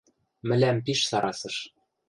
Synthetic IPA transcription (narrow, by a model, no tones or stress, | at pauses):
mɘ̆læmpiʃsɑɾɑsɤ̆ʃ